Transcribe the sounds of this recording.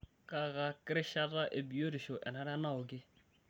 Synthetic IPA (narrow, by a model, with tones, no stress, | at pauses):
ka˦˨ɣa˦kɪ˦ɾɪ˦ʃa˦ta˦ʔe˨bi˨o˦ɾɪ˨ʃo˨ʔɛ˨na˨ɾa˦na˦ʊ˨ɡɪ˦